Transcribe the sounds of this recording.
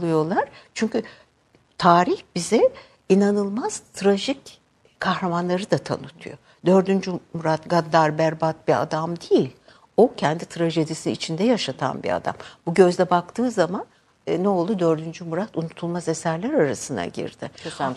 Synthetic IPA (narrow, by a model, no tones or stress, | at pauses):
ɯjo̞lˠaɾ̥t͡ʃʰyɲcy | t̪ʰaːɾiçbizɛ | inanɯlˠmaz̥t̪ʰɾaʒic | kʰːahɾamanlˠaɾɯd̪at̪ʰa̰nut̪ʰṵjo̞ | d̪ø̞ɾd̪ynd͡ʒymuɾat̪ɡad̪ːaɾbæɾbat̪̚bia̰d̪amd̪ejilʲ | o̞cʰɛnd̪it̪ʰɾaʒe̞d̪isinḭt͡ʃʰind̪ɛjaʃat̪ʰa̰nbḭa̰d̪a̰mbuɟø̞zd̪ɛbak̚t̪ʰɯːzaman | nɛo̞lˠd̪ud̪ø̞ɾd̪ynd͡ʒymuɾat̪unut̪ʰulˠmaze̞sæɾlʲæɾaɾasɯna̰ɟḭɾd̪̥ɪ̰